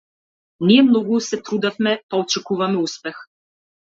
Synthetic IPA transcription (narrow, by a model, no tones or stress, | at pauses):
niɛmnɔɡusɛt̪ɾud̪afmɛpaːt͡ʃɛkuvamɛuspɛx